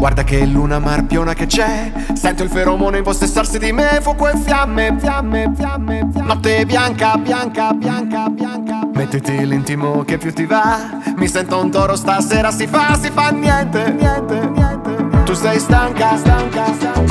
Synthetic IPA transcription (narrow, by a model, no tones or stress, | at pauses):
ɡward̪akelːuːnamarpjoːnaket͡ʃɛ | sɛnt̪oilfeɾɔmonoimposːesːarsid̪imefukːwelfjamːefjamːejamːnɔt̪ːebjaŋkabjaŋkabjaŋkabjaŋkamet̪ːet̪ilint̪imokepːjut̪ːiva | misɛnt̪aunt̪ɔːɾost̪aseːɾasifasifanːjɛnt̪eɛnt̪eɛnet̪usɛjst̪aŋkast̪aŋka